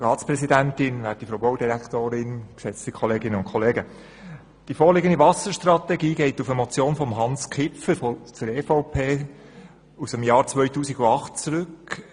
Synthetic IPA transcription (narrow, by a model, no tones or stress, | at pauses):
rɑːtspɾɛsidæntɪnʋæːɾtifɾowboʊdiɾæktoːɾɪnksɛt͡stikʰɔleːɡɪnəʊnkʰɔleːɡə | d̥ifoːɾlɪɡəndivɑsəʃtrɑt̪ɛɡiːɡɛɪtufəmɔt͡sjoːnfɔmɦɑnskʰɪpfəɾfɔt͡səɾeːfoʊpʰeː | usəmjɑːɾt͡sʋœɥtuːsiɡʊɑχt̚t͡sɾʏk